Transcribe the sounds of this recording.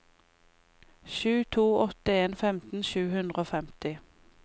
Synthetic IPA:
ʃʉːt̪ʰuːɔt̪əeːnfɛmt̪n̩ʃʉːhʉnd̪ʁəoːfɛmt̪ɪ

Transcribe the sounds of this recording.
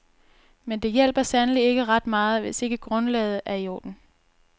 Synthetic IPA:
mend̥e̝jel̰b̥ɐsænəlie̝ɡ̥əʁɑ̈d̥mɑ̈ːð̞̩ˠʋe̝se̝ɡ̥əɡ̥ʁɔ̽nlɛ̰ːð̩ˠʔæijo̰ːd̥n̩

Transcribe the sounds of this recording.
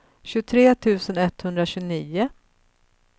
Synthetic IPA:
ɕɵt̪ʰɾeːt̪ʰʉ̟ːsənɛt̪ːhɵnd̪ɾaɕɵniːʊ

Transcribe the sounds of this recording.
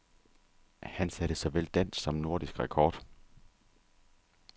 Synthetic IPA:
hænsæɾ̥əsɒʋel̰d̥æn̰sːɒ̽mno̝ɐ̰ɾ̥isɡ̥ʁɛkʰɒːd̥

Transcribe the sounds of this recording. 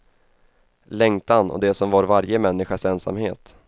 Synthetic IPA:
lɛŋt̪anɔ̰d̪ɛsɔmvaːɾvaɾjəmɛnːɪɧasɛnsa̰mhḛːt̪

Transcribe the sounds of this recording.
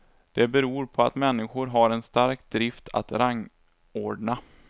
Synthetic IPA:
d̪̥ɛbɛɾuːɾpʰɔat̪mɛnːɪɧʊɾɦaɾɛnst̪aɾkd̪ɾɪft̪ʰa̰t̪ɾaŋː | oːɖɳa

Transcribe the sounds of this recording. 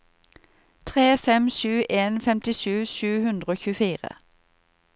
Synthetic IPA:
t̪ʰʁeːfɛmʃʉːʔeːnfɛmt̪ɪʃʉːʃʉːhʉnd̪ʁəoːçʉːfiːʁə̰

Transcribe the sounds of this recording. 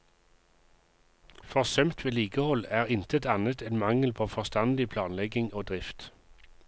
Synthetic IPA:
fɔʁsœmt̪ʋeːliːɡəhɔlæːʁɪnt̪ʰət̪ɑnət̪ɛnmɑŋəlpʰoːfɔst̪ɑnd̪ɪpʰlɑːnlɛɡɪŋoːd̪ʁɪft̪

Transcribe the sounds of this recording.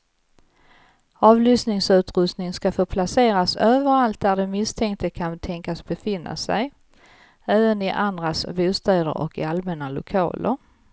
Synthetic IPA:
ɑːvlʏsnɪŋsʉ̟ːt̪ɾɵst̪nɪŋskafoːpʰlaseːɾasøːvəɾalt̪̚d̪æɖɛmɪst̪ʰɛŋkt̪ʰəkʰant̪ʰɛŋkasbɛfɪnːa̰sæ̰j | ɛːvənɪʔand̪ɾasbuːst̪ɛːd̪ə̰ɾɔ̰kɪalmɛnːalʊ̰kʰɑ̰ːlʔə̰ɾ

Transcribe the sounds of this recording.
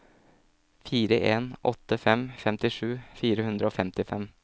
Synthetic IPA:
fiːɾəʔeːnʔɔt̪ːəfɛmfɛmt̪ɪʂʉːfiːɾəhʉnd̪ɾəoːfɛmt̪ɪfɛm

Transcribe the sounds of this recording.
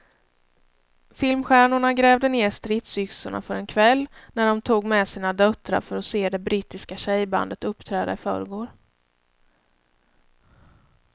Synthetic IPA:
fɪlmɧæːɳʊɳaɡɾɛːvd̪əneːɾʂt̪ɾɪt̪sʏksʊɳa̰fœɾɛnkʰvɛlːnæɖɔmt̪ʰuːɡmɛsiːnad̪œt̪ɾa̰ɾfœɾɔseːd̪ɛbɾiːt̪ɪskaɕɛjba̰nd̪ət̪ɵpt̪ʰɾɛːd̪a̰ɪfœ̰ːɾɡoːɾ

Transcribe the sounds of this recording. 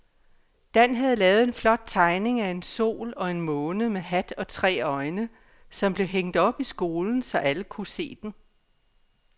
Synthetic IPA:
d̥ænɦæð̞̩ˠlɛːʊð̞̩ˠe̝nflɒ̽d̥̚t͡sʰɑ̈ɪne̝ŋæe̝nso̝̰ːlɒ̽e̝nmɔːnəmeɦæd̥ɒ̽t͡sʰʁɛ̰ːɒ̽ɪnə | sɒ̽mb̥le̝ɦeŋ̰d̥ɒ̽b̥isɡ̥o̝ːln̩sɒ̽ʔæləkʰuse̝̰ːd̥n̩

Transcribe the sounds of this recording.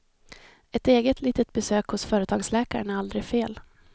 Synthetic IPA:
ɛt̪eːɡət̪ʰliːt̪ət̪̚bɛsøːkhʊsfœːɾət̪ʰɑːɡslɛːkaɾənæɾald̪ɾɪfeːl

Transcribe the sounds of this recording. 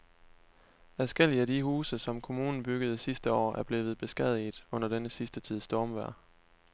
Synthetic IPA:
æsɡ̥el̰iædihuːsəsɒ̽mkʰo̝muːnn̩b̥yɡ̥əð̞ˠsisd̥əɒ̰ːæɐb̥le̝ːʋð̞̩ˠb̥e̝sɡ̥ɛð̰ˠið̥ˠɔ̽n̰ɐd̥enəsisd̥ət͡sʰið̞̰ˠsd̥ɒːmʋæɐ̰

